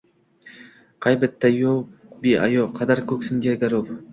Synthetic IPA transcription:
qʰɑjbɪt̪ːajobiʔa̰joqʰɑd̪aɾkʰɵkʲsɪŋɡʲaɡʲaɾov

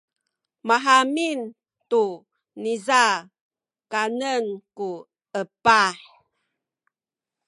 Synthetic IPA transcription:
maɦamin | tu | niza | kanənku | əpaħ

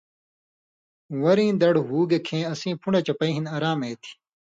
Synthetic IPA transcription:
wɐɾĩːd̪ɐɽɦuːɡekʰẽːɐsĩːpʰuɳet͡ɕɐpɐĩɦinɐːɾaːmeːt̪ʰi̥

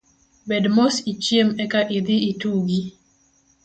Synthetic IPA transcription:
bɛdmosit͡ʃjemɛkaʔɪd̪ɪituɡi

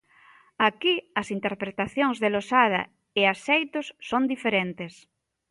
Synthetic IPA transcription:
akiɐsint̪eɾpɾet̪aθjoŋzðelosað̞ɐ̰ | easejt̪osːond̪ifeɾent̪es

